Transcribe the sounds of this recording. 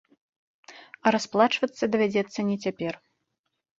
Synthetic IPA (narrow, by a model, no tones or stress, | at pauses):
ɐɾasplˠat͡ʂvɐt̪sːɐd̪ɐvʲad͡zʲɛt̪sːɐnʲɛt͡sʲapʲɛr